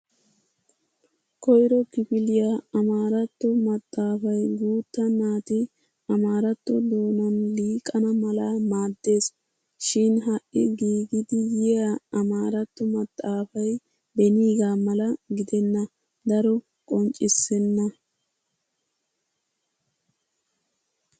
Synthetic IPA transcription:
kɔjɾɔkɪpɪlɪjaɐmaːɾɐt̪ːɔmɐt̪ʼːaːfɐjɡuːt̪ːɐnaːt̪ɪ | ɐmaːɾɐt̪ːɔd̪o̞ːnɐnliːkʼɐnɐmɐlamaːd̪ːe̞ːs | ʃɪnɦɐʔːɪɡiːɡɪd̪ɪjɪjaɐmaːɾɐt̪ːɔmɐt̪ʼːaːfɐj | bɛniːɡaːmɐlɐɡɪd̪ɛnːɐ | d̪ɐɾɔ | kʼɔnt͡ʃʼːɪsːɛnːɐ

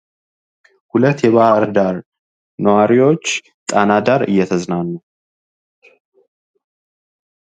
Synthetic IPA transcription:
hulət̪ːjɛβahəɾd̪aɾ | nəwaɾiwo̞t͡ʃː | t̪ʼanad̪aɾɨ̰jːɛt̪ʰəznanːəw

